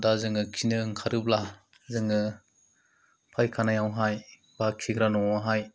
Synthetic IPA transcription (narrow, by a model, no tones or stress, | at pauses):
dazɯŋɯkʰinɯŋkʰaɾɯb̚la | zɯŋɯ | pʰajkʰanajawɦaj | b̥akʰiɡɾanɔwaɦaj